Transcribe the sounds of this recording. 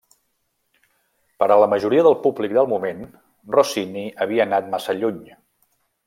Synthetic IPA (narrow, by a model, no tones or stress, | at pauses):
pəɾələməʒuɾiəðəlˠpublik̚d̪əlˠmumen | rosiniəβ̞iəːnat̪̚masəʎuɲ